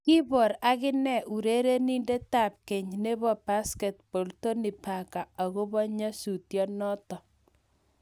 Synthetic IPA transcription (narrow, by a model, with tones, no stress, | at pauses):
ki˦bɔ˨ɾa˦kɪ˦nɛ˦˨ʔu˨ɾe˦ɾe˦ni˦nde˦ta˦˨p̚ke˨ɲne˦bɔ˨pa˦skɛ˨t̚po˨lto˦ni˨pa˨ka˨ɔ˨ɣo˦bɔ˦ɲa˦su˨tjɔ˦nɔ˦tɔ˨